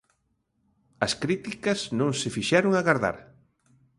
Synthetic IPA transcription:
ɐskɾit̪ikɐznõŋsɪfiʃɛɾoŋaɣaɾða̰ɾ

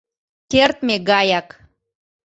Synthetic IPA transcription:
kert̪meɡɑjɑk

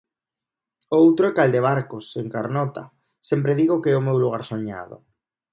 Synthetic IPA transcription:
owt̪ɾoekald̪eβ̞aɾkoseŋkaɾnɔt̪a̰ | sɛmpɾeðiɣokɛomewluɣaɾsoɲa̰ðo̰

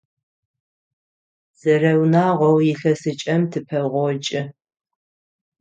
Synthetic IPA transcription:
z̥ɐrɐwnaːʁʷɔwjɪɬɐsɨt͡ʃʼɐmtʰɨpʰɐʁʷɔt͡ʃʼɪ

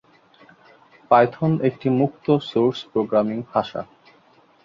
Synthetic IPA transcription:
pajt̪ʰonek̚ʈimukt̪osoɾspɾoɡɾamiŋhaʃa̰

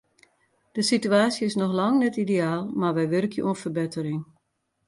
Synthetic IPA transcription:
d̥əsityaːsjəɪsnɔxlɑŋnɛtideaːlˠmarʋɛjʋɪrkʰjəʔonfərbɪtəɾɪŋ

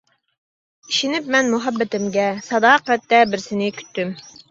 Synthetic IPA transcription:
iʃinɪpmɛnmuɦæbːɪt̪ɪmɡʲɛsɑd̪ɑːqɛt̪ːɛbɪɾsɪnɪkʲʰy̥t̪ːym

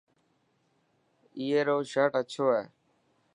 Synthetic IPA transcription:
iːeːɾoːʃəʈət͡ʃʰoːɦeː

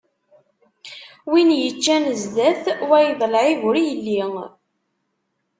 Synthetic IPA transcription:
winjət͡ʃːænəzðæθwæjðˤlʕiɣʊɾijəlːi

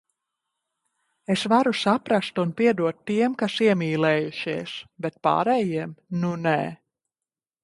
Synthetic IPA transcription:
esvaɾusapɾast̪unpiɛd̪uɔt̪ːiɛmkasiɛmiːlɛːjuʃiɛsbet̪̚pa̰ːɾɛːjiɛmnunɛ̰ː

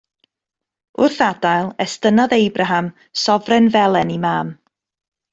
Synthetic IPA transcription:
ʊrθadajlˠɛstənaðejbraɦam | sɔvrɛnvɛlˠɛnimaːm

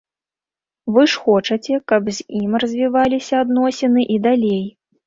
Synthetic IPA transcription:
vɨʂxɔt͡ʂɐt͡sʲɛkɐbzʲimrɐzʲvʲivalʲisʲɐːd̪nɔsʲɛnɨʔid̪alʲej

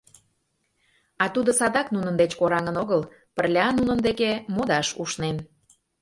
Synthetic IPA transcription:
ɑt̪ud̪osɑd̪ɑknunənd̪et͡ɕkoɾɑŋənoɣəl | pərlʲɑnunənd̪ekemod̪ɑʃuʃnen

